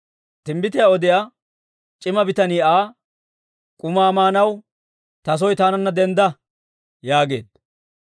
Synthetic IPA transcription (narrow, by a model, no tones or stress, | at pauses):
t̪ɪmbɪt̪ɪjaɔd̪ɪja | t͡ʃʼɪmɐbɪt̪ɐniːaː | kʼʊmaːmaːnɐw | t̪ɐs̬ɔjt̪aːnɐnːɐd̪ɛnd̪ɐ | jaːɡe̞ːd̪